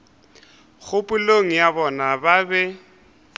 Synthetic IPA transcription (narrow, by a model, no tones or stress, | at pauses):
ɣʰʊpʼʊloŋ̩jabɔnababɛ